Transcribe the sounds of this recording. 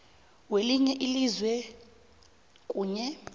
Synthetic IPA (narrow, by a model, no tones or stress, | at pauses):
weliɲɛʔilizwɛ | kʼuːɲɛ